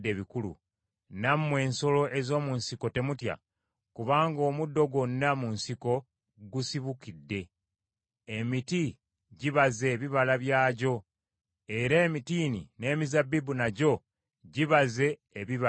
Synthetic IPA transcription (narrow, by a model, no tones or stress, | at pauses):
de̞βikulṵ | namwe̞ːnso̞lo̞ʔe̞zo̞ːmunsiko̞te̞mutja̰ | kuβaːŋɡo̞ːmudːo̞ɡo̞nːamunsiko̞ | ɡusiβukidːe̞ː | miti | ɟiβaze̞ːβiβalaβjaːɟo̞ | e̞ɾe̞ːmitiːnḭne̞ːmizabːibunaɟo̞ | ɟiβaze̞ː | βiβa